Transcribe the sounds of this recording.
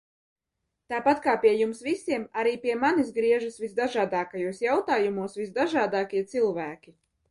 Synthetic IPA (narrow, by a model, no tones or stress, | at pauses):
t̪aːpat̪kaːpiɛjumsvisiɛmaɾiːpiɛmanisɡɾiɛʒasvizd̪aʒaːd̪aːkajuɔsjawt̪aːjumuɔsvisd̪aʒaːd̪aːkʲiɛt̪silˠvæːkʲi